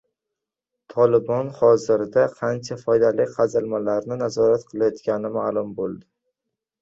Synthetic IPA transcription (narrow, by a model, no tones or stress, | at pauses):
t̪ʰɒlɪbɒnhɒzɪɾd̪aqʰant͡ʃʰafɒjd̪alɪkʲqʰɑzɪlmalaɾnɪnazɒɾat̪qʰɨlajɒt̪kʲanɪmaːlˠʊmbolˠd̪ɪ